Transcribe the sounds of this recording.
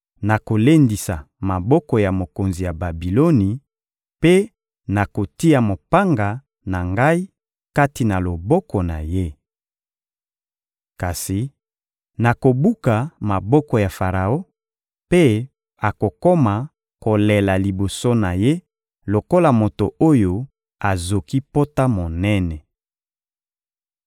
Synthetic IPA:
na˨ko˨le˦ndi˨sa˨ | ma˨bɔ˦kɔ˨ja˨mo˨ko˨nzi˨ja˨ba˨bi˨lo˦ni˨ | pe˦ | na˨ko˨ti˦a˨mo˨pa˦ŋɡa˨ | na˨ŋɡa˦i˦ | ka˦ti˨na˨lo˨bɔ˦kɔ˨na̰˨je˦ | ka˨si˨ | na˨ko˨bu˦ka˨ma˨bɔ˦kɔ˨ja˨fa˨ʁa˨o˦ | pe˦ | a˨ko˨ko˦ma˨ | ko˨lɛ˨la˨li˨bo˨so˦na˨je˦ | lo˨ko˦la˨mo˨to˨ʔo˦jo˨ | a˨zo˨ki˦po˦ta˦mo˨nɛ˦nɛ˨

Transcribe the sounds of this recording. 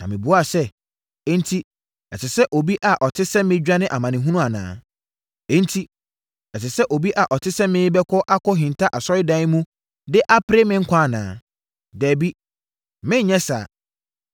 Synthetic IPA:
nã̰˨mɪ̃˨bu˨˦a˦˨sɛ˦ | ɛ˦n̩˦tʰi˦ | ɛ˨sɪ˨sɛ˦ʔo˨bi˦ʔa˨ʔɔ˨tʰɪ˦sɛ̃˦mːɪ̃˦d͡ʑᶣa˦nɪ̃˦ʔa˨mã˨nɪ̃˨ɦũ˦nũ˦a˨nã̰ː˨˦ | ẽ˦n̩˦tʰi˦ | ɛ˨sɪ˨sɛ˦ʔo˨bi˦ʔa˨ʔɔ˨tʰɪ˦sɛ̃˦mɪ̃˦bɛ˦kʰɔ˦ʔa˦kʰɔ˦ɦɪ̃˨n˨tʰa˦ʔa˨sɔ˦ɪ˦dã˦ɪ˦mũ˦ | dɪ˦ʔa˦pʰɾe˦mɪ̃˦ŋ̩˦kʷʰã˦a˨nãː˨˦ | dɛː˨bi˦ | mɪ̃˦ɲ̩˨ɲɛ̃˦sa˨

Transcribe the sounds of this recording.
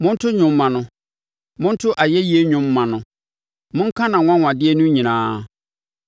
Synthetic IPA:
mʊ̃˦n̩˦tʰʊ˦ɲʊ̃˨mmːã˨nʊ̃˨ | mʊ̃˦n˦tʰʊ˦ʔa˨jɛ˦ji˦e˦ɲʊ̃˨˦mːã˨nʊ̃˨ | mʊ̃˦ŋ˦kʰã˦nã˨ŋʷã˦wʷã˨dɪ˦ɛ˦nũ˦ɲĩ˨nãː˨˦

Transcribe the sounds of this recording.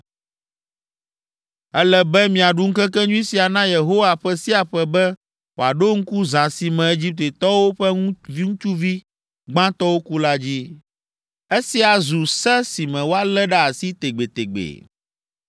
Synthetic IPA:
ɛ˦lɛ˦bɛ˦mĩ˨a˨ɖu˦ŋ̩˦kɛ˦kɛ˦ɲũ˦i˦si˨a˨nã˦je˨ɦo˦wa˨ɸɛ˦si˦a˨ɸɛ˨bɛ˦ | wo˨a˨ɖo˦ŋ̩˦ku˦zã˨si˨mɛ̃˨e˦d͡ʑi˦p̚t̪e˨t̪ɔ˦wo˦ɸɛ˦ŋ˦vi˦ŋũ˦t͡ʃu˦vi˦ | ɡ͡bã˦t̪ɔ˦wo˦ku˦la˦d͡ʑi˦ | e˦si˦a˨zu˨sɛ˦si˨mɛ̃˨wo˦a˦lɛ˦ɖa˦a˨si˦t̪e˨ɡ͡be˨t̪e˨ɡ͡bḛ˨

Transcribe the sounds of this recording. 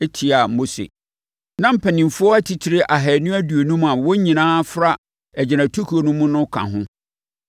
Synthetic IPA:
e˦tʰi˨a˨mo˦sḛ˨ | nã˦m̩˦pʰɛ˨nĩ˨mfʊ˦ɔ˦æ˦tʰi˨tʰɪ˨ɾɪ˦ʔa˨ɦɛ˨nʊ̃˦æ˦du˨o˨nũ˦ma˨wɔ˦ɲĩ˨nãː˦fɾa˦ | ɛ˨d͡ʑɪ˨nã˨tʰo˦kʰu˨o˨nʊ̃˦mʊ̃˦nʊ̃˦kʰã̰˨ɦʊ̃˦

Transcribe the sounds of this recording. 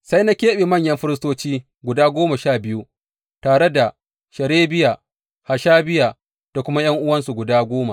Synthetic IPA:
sa˦jna˦kʲeː˦ɓe˨mɐ˦˨ɲjɐ˦mɸɪ˦ɾɪ˦s̬toː˦t͡ʃiː˦ | ɡʷʊ˨daː˦ɡʷoː˦ma˨ʃaː˦˨bɪ˦ju˦ | taː˨ɽe˦da˨ | ʃɐ˨ɽeː˦bɪ˦jaː˨ | ha˨ʃaː˦bɪ˦jaː˨ | d̥a˨kʷʊ˦ma˦j̰ɐ˦ŋʔʊ˦wɐ˦nsu˨ɡʷʊ˨daː˦ɡʷoː˦ma˨

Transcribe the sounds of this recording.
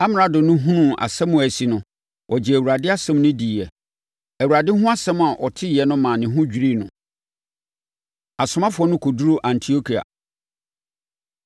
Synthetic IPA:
a˦m˨˦a˨dʊ̃˨nʊ̃˦ɦũ˦nũ˦˨a̰˨sɛ˦mũ˨æ˨si˨nʊ̃˨ | wʔɔ˨d͡ʑɪ˨æ˨wu˨ɾa˨dɪ˦a˦sɛ̃˦m˦nʊ̃˦di˨ɛ˨ | æ˨wu˨ɾa˨dɪ˦ɦʊ̃˦a˦sɛ̃˦m̃˨a˨ʔɔ˨tʰɪ˦jɛ˨nʊ̃˦mãː˨nɪ̃˨ɦʊ̃˦d͡ʑᶣi˨ɾi˦˨nʊ̃˨ | a˨sʊ˨˦mã˦fʊ˨˦ɔ˦nʊ̃˦kʰo˨du˦ɾo˦ʔã˨ntʰi˨o˦kʰi˨a̰˨

